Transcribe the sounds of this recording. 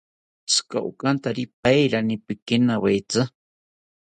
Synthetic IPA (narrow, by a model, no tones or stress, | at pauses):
ska̰ʔṵkʼant̪aɾip̚ajɾanipɪkɪnawejt͡sa